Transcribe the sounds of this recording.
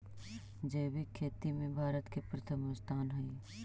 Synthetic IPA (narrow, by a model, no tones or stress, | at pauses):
d͡ʒeːbikʰeːt̪imẽbʱaːɾət̪kepɾət̪ʰəmʊst̪aːnɦəi